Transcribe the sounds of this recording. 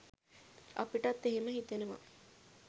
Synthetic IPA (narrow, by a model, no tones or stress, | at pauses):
a̰piʈɐt̪ːeɦeməɦit̪enəʋa̰